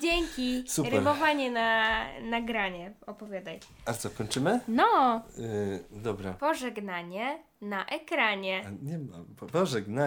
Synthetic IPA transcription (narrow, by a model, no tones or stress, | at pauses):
d͡ʑeŋʲkʲisupɾɛɾmɔvaɲɛnanaɡɾaɲɛɔpɔvʲjad̪aj | at̪sɔkɔɲʲt͡ʂɘmɘnɔ | d̪ɔbɾapɔʐɛɡnaɲɛ | naʔɛkɾaɲɛɲɛmappɔʐɛɡna